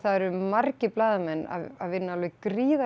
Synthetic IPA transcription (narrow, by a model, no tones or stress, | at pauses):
θaðɛɾʏmarcɪplaːðamɛnːa̰aðvɪnːalʏkɾiːða